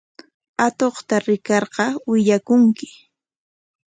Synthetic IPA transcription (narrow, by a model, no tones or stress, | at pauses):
at̪oχt̪aɾɪkɑɾqɑwɪʎakʊŋkɪ̥